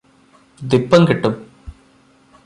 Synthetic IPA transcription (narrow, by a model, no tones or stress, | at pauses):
d̪ipːɐŋkiʈːum